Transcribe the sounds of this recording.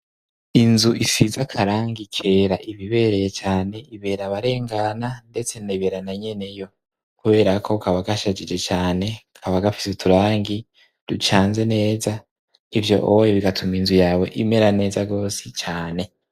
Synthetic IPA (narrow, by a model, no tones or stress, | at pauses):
inzuʔisizakʰaɾaːŋɡikʰe̞ɾaʔiβiβe̞ɾe̞jet͡ʃaːne̞iβe̞ːɾaβaɾe̞ːŋɡanande̞t͡se̞naiβe̞ːɾanaɲe̞ne̞jo̞ | kuβe̞ːɾakʰo̞kʰaβaɡaʃad͡ʒid͡ʒe̞t͡ʃaːne̞ukʰaβaɡafi̥setuɾaːŋɡi | dut͡ʃaːnze̞ne̞ːza | ivjo̞̰ʔoojiβiɡatʰuminzujaːwe̞ʔime̞ɾane̞ːzaɡo̞ːsit͡ʃaːne̞